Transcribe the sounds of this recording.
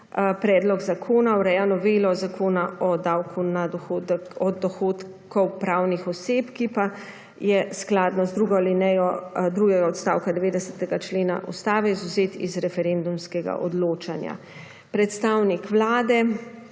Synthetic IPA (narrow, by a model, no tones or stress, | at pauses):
pɾɛːd̪lɔɡzakʰoːnawɾɛjanɔʋeːlɔzakoːnaɔd̪awkʰunad̪ɔxod̪ɔd̪ɔxoːt̪ | kɔwpɾaːwnixɔseːpkipa | jɛsklaːd̪nɔzd̪ɾuɡɔlinɛjɔd̪ɾuɡɛɡaɔt̪st̪aːwkad̪ɛʋeːd̪ɛsət̪ɛɡat͡ʃleːna̰ʔṵst̪aːʋɛizuzeːt̪ḭzɾɛfɛɾend̪umskɛɡa̰ʔɔ̰d̪loːt͡ʃanja̰ | pɾɛt̪st̪aːwnikʋlaːd̪ɛ